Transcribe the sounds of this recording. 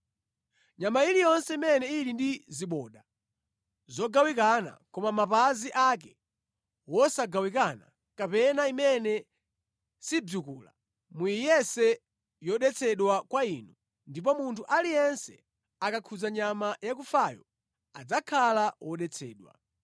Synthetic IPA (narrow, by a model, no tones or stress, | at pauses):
ɲamailijɔnsɛimɛnɛilindiziɓɔːɗa | zɔɡawik̬ana̰kɔmamapaziʔak̬ɛ | wɔsaɡawikana | kapɛnaimɛnɛ | sib͡ʐukuːla̰ | mujijɛsɛ | jɔɗɛt͡sʰɛɗwakwainu | ndip̬ɔmuntʰuʔalijɛnsɛ̰ | akakʰuzaɲamajakufajɔ | ad͡zakʰalawɔɗɛt͡sʰɛ̰ːɗwa̰